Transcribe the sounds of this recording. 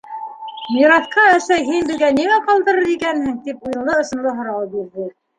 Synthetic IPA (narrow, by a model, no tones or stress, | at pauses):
mʲiɾɑt̪qɑæ̆sæjɦinbɘ̆ðɡæniŋæqɑlˠd̪ɤ̆ɾɤɾikænhɘŋt̪ipujɤ̆lˠɤŏʃɤ̆nlˠɤɦŏɾɑwɤp̚iɾðɘ